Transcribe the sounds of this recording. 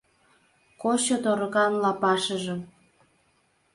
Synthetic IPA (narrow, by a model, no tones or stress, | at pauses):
kot͡ɕot̪oɾɤ̆ɣɑnlɑpɑʃəʒəm